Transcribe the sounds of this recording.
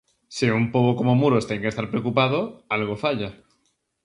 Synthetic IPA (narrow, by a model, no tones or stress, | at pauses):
siumpoβoko̞momuɾost̪eŋke̞st̪aɾpɾeokupað̞oalɣ̞o̞faʎa